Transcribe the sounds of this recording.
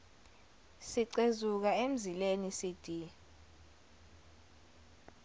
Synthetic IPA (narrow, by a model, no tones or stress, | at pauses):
siǀezuk̬aem̩zilenisid̥ʱi